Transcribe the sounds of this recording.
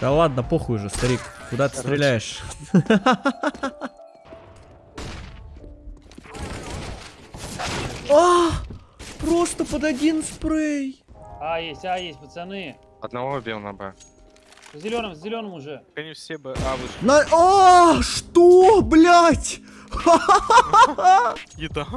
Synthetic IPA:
d̪ɐlˠad̪nəpoxʊjʊʐɨst̪ɐɾʲikkʊd̪at̪ɨ̥st̪ɾʲɪlʲæjɪʂ | a | pɾo̞st̪əpəd̪ɐdʲinspɾejajesʲtʲajesʲt̚ʲpət̪sɛnɨj | ɐd̪nɐvobʲelˠnɐbɛ̰ | vzʲɪlʲo̞nəmvzʲɪlʲo̞nəmʊʐɛkɐnʲifsʲebɨʔavɨnɐaʂt̪oblʲatʲ | jɪd̪a

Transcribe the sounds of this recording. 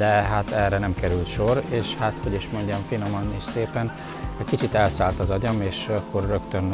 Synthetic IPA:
d̪ɛɦat̪ɛrːɛnɛmkɛɾylt̪ʃo̞ɾeːʃhat̪ho̞ɟiʃmo̞ɲɟɒɱfino̞mɒneːʃseːpɛn | ɛckit͡ʃit̪ɛlsaːlt̪ɒzɒɟɒmeːʃɒkːo̞rːø̞kt̪øn

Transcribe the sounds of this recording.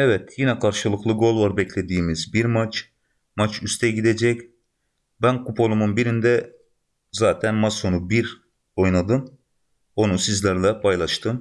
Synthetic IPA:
ɛvɛt̪jinɛkʰaɾʃɯlˠɯklˠɯɡo̞lˠvaɾbɛcʰlʲe̞d̪iːmizbiɾmat͡ʃ | mat͡ʃʰyst̪ʰɛɟid̪ed͡ʒɛc | bænkupʰo̞lˠumunbiɾind̪ɛ | zaːt̪ʰænmaso̞nubiɾ | o̞jnad̪ɯn | o̞nusizlʲæɾlʲɛpʰajlˠaʃt̪ʰɯm

